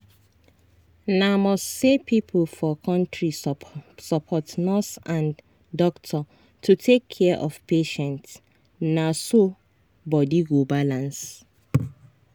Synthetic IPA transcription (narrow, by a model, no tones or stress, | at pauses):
namɔstsepʰipʰlfɔkʰɔ̃ntɹisɔpʰɔtnɔsãn | dɔktʰɔ | tʰutʰekʰːɛʔɔfpeʃɛ̃nt | naso | bɔdiɡobalãns